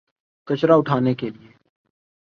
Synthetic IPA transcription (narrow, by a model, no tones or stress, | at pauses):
kət͡ʃɾaʊʈʰaːnekelieː